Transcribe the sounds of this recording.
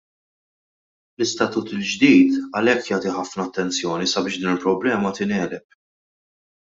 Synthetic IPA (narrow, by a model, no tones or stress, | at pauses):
lɪst̪ɐt̪uːt̪ɪld͡ʒd̪iːt̪ɐlɛkːjaːt̪iħɐfnɐːt̪ːɛnt͡sjɔːnisɐbɪːʃd̪iːnɪlpɾɔblɛːmɐt̪ɪnɛːlɛp̚